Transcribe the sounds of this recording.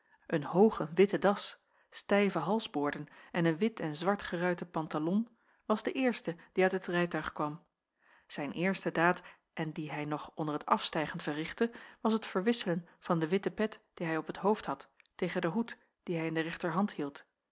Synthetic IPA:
ʔənhowχəʋɪtədɑs | stɛjvəɦɑlˠzboːɹdənʔɛnənʋɪtɛnzʋɑɹtχərœɥtəpɑntalɔn | ʋɑzdəʔɪːɹstəd̥iœɥtɦətrɛjtœɥχkʋɑm | z̥ɛjnʔɪːɹstədaːt | ʔɛndiɦɛjnɔχʔɔndəɹɦətɑfstɛjχəntvərɪχtəʋɑsɦətfəɹʋɪsələnv̥ɑndəʋɪtəpɛtd̥iɦɛjɔpətɦowfthɑtː | ejχəndəɦut | d̥iɦɛjɪndərɛχtəɹɦɑnthilˠt

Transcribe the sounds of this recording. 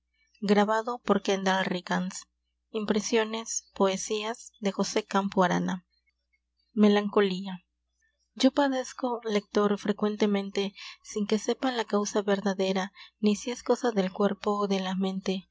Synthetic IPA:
ɡɾaβaðo̞po̞ɾkend̪alrikans | impɾe̞sjo̞ne̞spo̞esiazðe̞xo̞se̞kampuaɾa̰na | me̞laŋko̞lia | d͡ʒo̞paðe̞sko̞le̞k̚t̪o̞ɾfɾe̞kwe̞nt̪e̞mẽnt̪e̞siŋke̞se̞palakawsaβe̞ɾðaðe̞ɾanisie̞sko̞saðe̞lkwe̞ɾpo̞ðe̞lamẽ̞nt̪e̞

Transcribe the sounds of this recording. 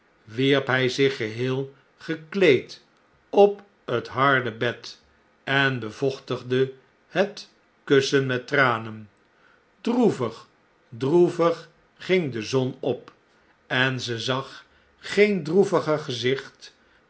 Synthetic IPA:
ʋiɹpɦɛjzɪχəɦɪːlˠ | χəklejt | ɔp | ətɦɑɹdəbɛt | ɛnbəv̥ɔχtəχdə | hət | kɵsənmɛtraːnən | druvəχ | druvəχː | ɪŋdəzɔnɔp | ɛnzəzɑχ | χejndruvəχəχəzɪχt

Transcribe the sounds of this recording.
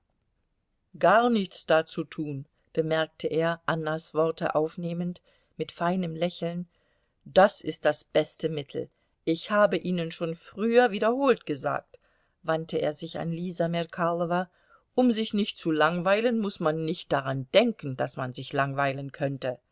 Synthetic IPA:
ɡ̥aɐnɪçt͡sd̥aːt͡sutʰuːn | b̥əmɛɐk̚tʰəʔeːɐʔanːasv̥ɔʁtə̰ʔaʊfneːmənt | mɪtfaɪnəmlɛçl̩n | d̥asɪst̚d̥asb̥ɛstəmɪtʰl̩ | ʔɪçhaːbəʔiːnənʃoːnfʁ̥yːɐviːɾdɐhoːltɡ̥əza̰ːk̚t | v̥antəʔḛːɐzɪça̰nliːzamɛkʰalɔva | ʔʊmzɪçnɪçt̚t͡sulaŋvaɪlənmʊsmanːɪçt̚d̥aʁand̥ɛŋkn̩d̥asmanzɪçlaŋvaɪlənkʰœntə

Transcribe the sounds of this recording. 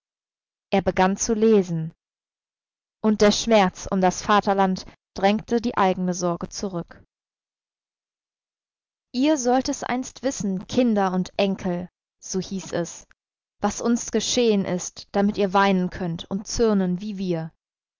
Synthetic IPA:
ʔeːɐbəɡant͡suleːzn̩ | ʔʊnt̚d̥eːɐʃmɛɐt͡sʊ̰mdasfaːtɐlant | d̥ʁɛŋktʰədiːʔaɪɡŋ̩n̩əzɔɐɡət͡suʁʏk | ʔiːɐzɔltɛsʔa̰ɪnstv̥ɪsn̩kʰɪndɐʊntʔɛŋkʰl̩ | z̥oːhiːsɛs | v̥asʔʊnsɡ̥əʃeːənʔɪstd̥amɪtiːɐvaɪnənkʰœntʰʊnt̚t͡sʏɐnənviːviːɐ

